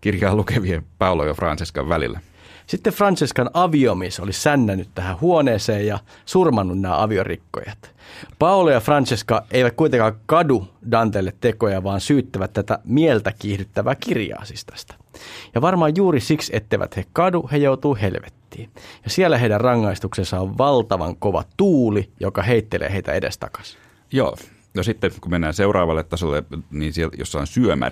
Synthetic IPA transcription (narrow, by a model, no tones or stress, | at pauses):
kirjɑːlukeʋiepɑulojɑfrɑ̰nsiskɑ̰ʋʋælḭlːæ | sit̪ːefrɑnsiskɑnɑʋiomisolisænːænːyt̪t̪æhæhuoneːseːjjɑ | surmɑnːunnæːʔɑʋiorḭkːo̰jɑt̪ | pɑulojɑfrɑnsiskɑʔeiʋæt̪̚kuijt̪eŋkɑkɑdudɑnt̪eːlːet̪tekojɑʋɑːnsyːt̪ːæʋæt̪t̪æt̪æmielt̪ækiːhdyt̪ːæʋæːkirjɑ̰ːsist̪ɑ̥st̪ɑ̥jɑʋɑrmɑːjjuːɾisikset̪ːeʋæ̰t̪hekɑduhejout̪uːhelʋet̪ːiːjɑsielːæɦeidærrɑŋːɑist̪uksesːɑoʋʋɑlt̪ɑʋɑ̰ŋkoʋɑ̰t̪uːlijokɑheit̪ːelʔḛːheit̪æ̰edḛst̪ɑ̰kɑ̥s | jo̰ː | nosit̪ːekumenːæːseurɑːʋɑlːet̪t̪ːɑsolːḛniːnsieljo̰sːɑonsyømæ̰